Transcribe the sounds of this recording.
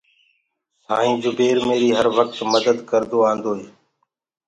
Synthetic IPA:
saːĩːd͡ʒʊbʱeːɾmeːɾiːɦəɾʋək̚t̪məd̪əd̪kəɾd̪oːãːnd̪oːɦeː

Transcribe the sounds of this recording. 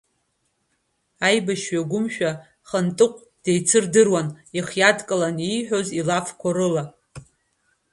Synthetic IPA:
ajbaʃɥaɡʷʊmʃᶣa | χəntʼɨqʷʼ | d̥ejt͡sʰɨrdɨrwaniχjadkʼalaniħʷᶣozilafkʷʰaɾɨla

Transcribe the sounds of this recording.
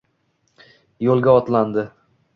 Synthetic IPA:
jolˠɡʲaɒt̪land̪ɪ

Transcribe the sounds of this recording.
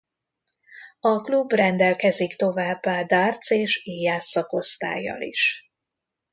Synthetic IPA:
ɒklubrɛnd̪ɛlkɛzikt̪o̞vaːbːaːd̪aːrt̪seːʃeːjaːt̪sɒko̞st̪a̰ːjːɒ̰lḭʃ

